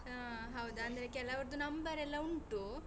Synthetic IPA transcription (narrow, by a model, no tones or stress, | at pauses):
ɦɐwd̪uɐnd̪ɐɾekɛlɐʋɐɾd̪unɐmbɐɾɛlːɐuɳʈu